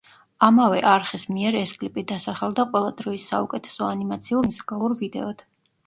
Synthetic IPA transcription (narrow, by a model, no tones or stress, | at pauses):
amavɛʔaɾχismiɛɾɛskʼlipʼid̪asaχɛlˠd̪aqʼwɛlˠad̪ɾɔisːa̰ukʼɛt̪ʰɛ̥sɔanimat̪sʰiuɾmuzikʼalˠuɾvid̪ɛ̰ɔd̪̥